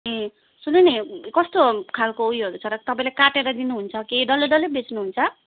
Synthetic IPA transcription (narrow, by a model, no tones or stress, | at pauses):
e | sunenekʌst̪okʰalkoujɦʌɾut͡sʰʌɾʌt̪ʌpaĩlekaʈeɾʌd̪inuɦunt͡sʰʌkeɖʌleɖʌlebet͡snuɦunt͡sʰʌ